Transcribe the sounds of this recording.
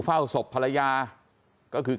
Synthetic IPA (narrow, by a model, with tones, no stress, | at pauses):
fa˥˩wso˨˩pʰːa˧la˧jaː˧ | kɔː˥˩kʰɯː˧